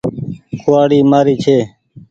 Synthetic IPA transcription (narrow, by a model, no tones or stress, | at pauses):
kʰʊaːɽiːmaːɾiːt͡ʃʰeː